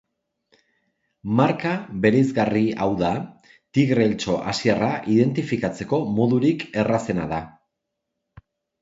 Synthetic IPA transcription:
maɾkaβe̞ɾejzɣariawða | t̪iɣɾe̞lt͡ʃo̞ʔasieraʔiðe̞nt̪ifikat͡se̞ko̞mo̞ðuɾike̞rase̞na̰ða

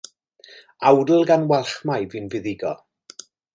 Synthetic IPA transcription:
awdəl̩ˠɡanwɛlˠχmajvɨːnvɪðɪɡɔ̰

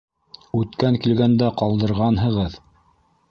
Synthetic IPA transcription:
ʉt̪kæŋkilɡænd̪æqɑlˠd̪ɤ̆ɾʁɑnɦɤ̆ʁɤð

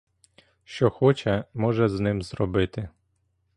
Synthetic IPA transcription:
ʃt͡ʃɔxɔt͡ʃɛmɔʒɛznɪmzrɔbɪt̪ɪ

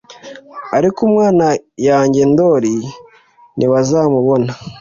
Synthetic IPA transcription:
aɾikumŋaːnajaːɲɟe̞ndo̞ːɾi | nʔiβazaːmuβo̞na

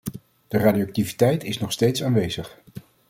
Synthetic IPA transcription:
d̥əraːdioak̚tivitɛjtɪsnɔχstejtsaːnʋejz̥əχ

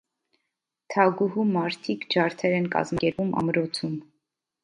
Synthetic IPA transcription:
t̪ʰɑɡuɦumɑɾt̪ʰikd͡ʒɑɾt̪ʰɛɾɛnkɑ̰zmɡɛɾumʔɑ̰mɾɔt͡sʰum

